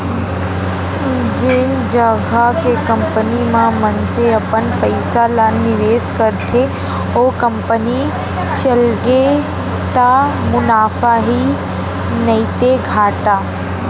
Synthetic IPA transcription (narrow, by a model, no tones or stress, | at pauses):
d͡ʒɪnd͡ʒəɡakekɐ̃mpənimãmənseɐpənpɐɪsalaːnːɪʋeːskɐɾt̪ʰe | oːkɐ̃mpəni | t͡ʃɐlɡe | t̪amʊnaːfaɦi | nɐit̪eɡʱaːʈaː